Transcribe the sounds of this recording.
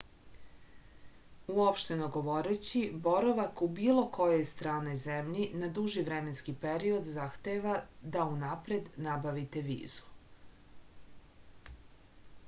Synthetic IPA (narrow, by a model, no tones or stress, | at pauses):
uopʃt̪e̞noɡo̞ʋo̞ɾet͡ɕibo̞ɾoʋakubiːlˠo̞kʰo̞je̞jst̪ɾaːno̞jzemʎinad̪uʒiʋɾeme̞nskipeɾio̞d̪zaxt̪eʋad̪aunapɾe̞d̪nabaʋit̪eʋḭːzu̥